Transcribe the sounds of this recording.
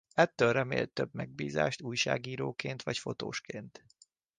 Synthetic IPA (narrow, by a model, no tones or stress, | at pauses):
ɛt̪ːølrɛmḛːlt̪ːøbmɛɡ̚biːza̰ːʃt̪uːjʃaːɡiːɾoːkeːnt̪ʋɒcfo̞t̪o̰ːʃkeːnt̪